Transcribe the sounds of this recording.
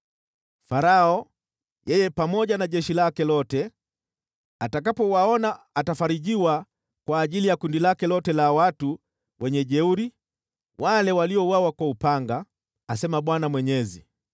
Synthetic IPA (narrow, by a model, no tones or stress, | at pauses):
faɾaɔ | jɛjɛpamɔɟanaɟɛʃilakɛlɔtɛ | atakapɔwaɔna | atafaɾiɟiwa | kwaːʄilijakundilakɛlɔtɛlawatu | wɛɲɛɟɛuɾi | wʔalɛwaliɔwawakwaupaŋɡaː | sɛmaɓwanamwɛɲɛzi